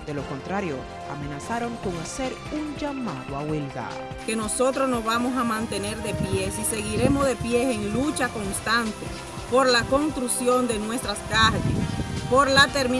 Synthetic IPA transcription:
d̪e̞loko̞nt̪ɾaɾjo̞̰ | a̰me̞nasaɾo̞ŋko̞ŋase̞ɾ | uŋd͡ʒamaðoa̰welɡa̰ | ke̞no̞so̞t̪ɾo̞sno̞zβamo̞samãnt̪e̞ne̞ɾðe̞pje̞sise̞ɣiɾe̞mozðe̞pje̞eŋlut͡ʃako̞nst̪ant̪e | po̞ɾlako̞nst̪ɾusjo̞nd̪enwe̞st̪ɾaskaɾɣespoɾlat̪eɾmi

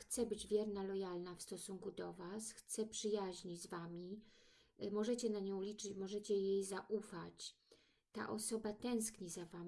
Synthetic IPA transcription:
xt̪sɛbɘd͡ʑvʲjɛɾnalɔjalnafst̪ɔsuŋkud̪ɔvasxt̪sɛpʂɘjaʑɲid͡ʑzvamʲi | mɔʐɛt͡ɕɛnaɲɔ̃w̃lʲit͡ʂɘt͡ɕmɔʐɛt͡ɕɛjejzaʔufat͡ɕ | t̪a̰ʔɔsɔbat̪ɛ̃w̃skɲizavam

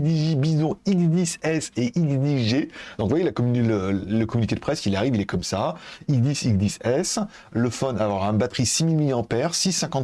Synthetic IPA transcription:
d̪iʒibizɔ̃iɡzd̪isɛseʔiɡd̪iʒed̪̥ɔ̃kvwajelakɔmylələkɔmynikʲed̪əpχɛsilaʁivilɛkɔmsaiɡd̪isiɡd̪isɛs | ləfɔnavwɔʁɛ̃bat̪χisimilmiljɑ̃pɛʁsisːɛ̃kɑ̃

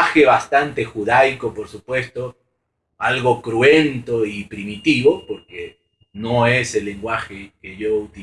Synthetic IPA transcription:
xeβast̪ant̪e̞xuðajkopoɾsupwe̞st̪o̞ | alɣo̞kɾwent̪o̞ipɾimit̪iβo̞poɾke | no̞e̞se̞lːe̞ŋɡwaxekeʝo̞ut̪i

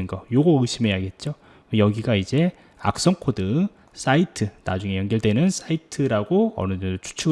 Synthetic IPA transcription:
ɯnɡʌjoɡʌɯɕʰimɦe̞jaɡɦet̚t͡ɕ͈o | jʌɡiɡaid͡ʑe̞ | a̰k̚s͈ʌŋkʰodɯŋ | s͈aitʰɯna̰d͡ʑuŋe̞jʌnɡʌɭt͈e̞nɯns͈ʰaitʰɯɾaɡoʌ̰nɯdɯndot͡ɕʰu̥t͡ɕʰuɡ

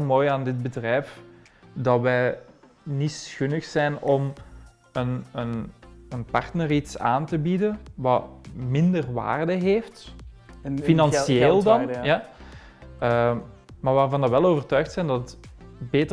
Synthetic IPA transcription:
lˠmoːjaːndɪd̚bədrɛjf | dɑtʋɛj | nitsxɵnəxsɛjnɔm | ənənənpɑrtnəritsa̰ːntəbidənʋɑmɪndərʋa̰ːrdəɦeːft | finɑnsieːlˠdɑnjaː | ə | maːʋaːrvɑndɑʋɛloːvərtœɥxtsɛjndɑtətbeːtə

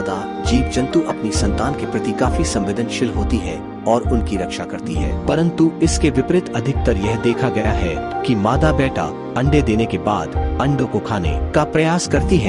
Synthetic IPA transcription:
d̪a | d͡ʒiːp̚d͡ʒɐ̃nt̪uʔɐpnisɐ̃nt̪aːnkepɾɐt̪ikaːfisɐ̃mʋɪd̪ʱənʃɪlɦoːt̪iɦɛ | ɔːɾʊnkiɾɐkʃakɐɾt̪iɦɛ̰ːpɐɾə̃nt̪uɪskeʋɪpɾɪt̪ɐd̪ʱɪk̚t̪ɐɾjɛɦd̪eːkʰaɡɐjaɦɛkimaːd̪abɛːʈa̰ | ɐ̃ɳɖed̪eːnekeba̰ːd̪ɐ̃ɳɖõkokʰaːnḛkapɾɐjaːskɐɾt̪iɦɛː

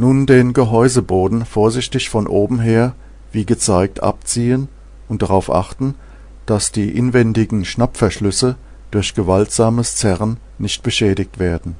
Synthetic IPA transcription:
nuːndeːnɡəɦɔʏzəboːdn̩foːɐzɪçtɪçfɔnʔoːbm̩ɦeːɐ | viːɡət͡saɪk̚tʔa̰pt͡siːən | ʊnt̚d̥aʁaʊfʔa̰χtn̩ | d̥asd̥iːʔɪnvɛndɪɡŋ̩ʃnapfɛɐʃlʏsə | d̥ʊɐçɡ̥əvaltz̥aːməst͡sɛʁən | nɪçt̚b̥əʃɛːdɪk̚tv̥eːɐdn̩

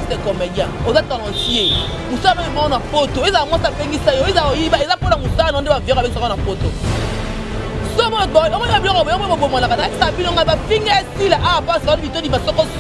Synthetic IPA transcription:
sekɔmedjãozatanasie | musamɛimɔɔnapotoezamɔsbeŋɡisajoezaojibaezaponamusandeavikesnapoto̰ | somɔabiɔkobomanakanasabinoŋɡabafiŋɡaesilaʔaapasaaibitodimasɔkɔ

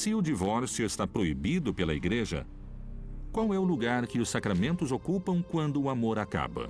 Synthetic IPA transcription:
sɪʊd͡ʒivɔɾsjʊest̪apɾoibid̪ʊpelɐiɡɾeʒɐ̰ | kwawɛʊluɡaɾkɪʊsakɾamẽnt̪ʊzokupɐ̃w̃kwɐ̃nd̪ʊːamoɾaka̰bɐ̰

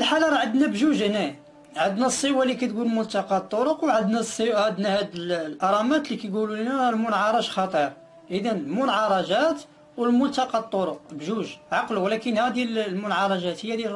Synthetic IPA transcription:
əlħalɑɾˤɑʕəd̪næbʒuʒnæ | ʕəd̪næsˤːəwalikæt̪ɡulmʊlt̪ɑqɑt̪ˤːoɾʊqwʕəd̪næsˤːəʕad̪næhæd̪əllʔɑɾˤɑmæt̪likæjɡululnælmʊnʕɑɾˤɑʒxɑt̪ˤəɾ | ʔəd̪ænəlmʊnʕɑɾˤɑʒæt̪ | wəlmʊlt̪ɑqɑt̪ˤːoɾoqbʒuʒʕɑqluwlækənhæd̪illmʊnʕɑɾˤɑʒæt̪həjːæd̪jæ

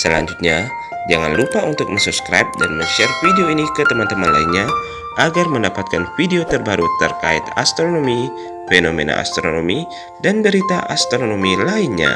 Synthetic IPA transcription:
səla̰ɲd͡ʒut̪̚ɲa | d͡ʒaŋa̰nlupaunt̪ʊk̚mə̃ŋsupskɾa̰jp̚da̰nməɲʃɛrfideoinikət̪əmant̪əmanla̰inɲa | ʔaɡarməndapat̪̚kanfideot̪ərbaɾut̪ərkait̪ast̪ɾonomi | fenomena̰a̰st̪ɾo̰nomi | danbəɾit̪aʔast̪ɾoonomilainɲa̰

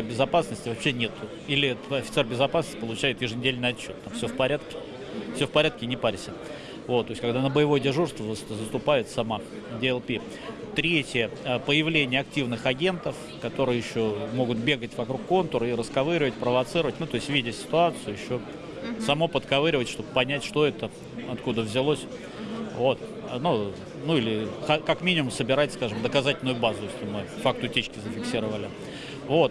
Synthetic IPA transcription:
bʲɪzɐpasnəsʲtʲɪvɐpɕːenʲe̞t̪ʊ | ilʲɪɛt̪ɐfʲɪt̪sɛrbʲɪzɐpasnəsʲɪpəlˠʊt͡ɕæjɪt̪jɪʐɨnʲɪdʲelʲnɨɪjɐt͡ɕːo̞t̪ːamfsʲofpɐɾʲat̪kʲɪ̥ | fsʲofpɐɾʲat̪̚kʲɪnʲɪpaɾʲsʲə | vo̞t̪ːoɪsʲkɐɡd̪anəbəjɪvo̞jədʲɪʐurst̪vəzəst̪ʊpaɪt̪sɐma | dʲɪɛlˠpʲi | t̪ɾʲetʲjəəpəjɪvlʲenʲɪjəɐk̚tʲivnɨxɐɡʲe̞nt̪əf | kɐt̪o̞ɾɨjjɪɕːo̞mo̞ɡʊt̪̚bʲeɡətʲvɐkɾukːo̞nt̪ʊɾəiɾəskɐvɨɾʲɪvət̚ʲpɾəvɐt̪sɨɾəvətʲnut̪o̞ɪsʲtʲvʲidʲɪsʲɪ̥t̪ʊat̪sɨjʊjɪɕːo̞ | sɐmo̞pət̪kɐvɨɾʲɪvətʲʂt̪o̞bəpɐnʲætʲʂt̪o̞ɛt̪ə | ɐt̪kud̪əvzʲɪlˠosʲ | vo̞t̪ | nu | nuilʲɪxɐkɐkmʲinʲɪmʊmsəbʲɪɾatʲskaʐɨmd̪əkɐzatʲɪlʲnʊjʊbazʊjesʲlʲɪmɨfak̚t̪ʊtʲet͡ɕkʲɪzəfʲɪksʲiɾəvəlʲɪ | vo̞t̪̚

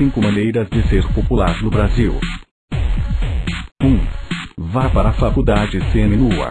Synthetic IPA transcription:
ĩŋkʊmɐ̃nejɾɐzd͡ʒɪseɾpopulaɾznʊbɾaziw | ũ | vapaɾɐafakuwd̪ad͡ʒɪseẽmĩnuɐ̰

